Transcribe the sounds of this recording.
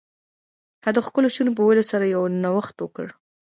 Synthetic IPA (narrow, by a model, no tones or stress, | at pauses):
had̪əxkəloʃunop̬əwelosaɾajawnawaxt̪wəkə̰ɽ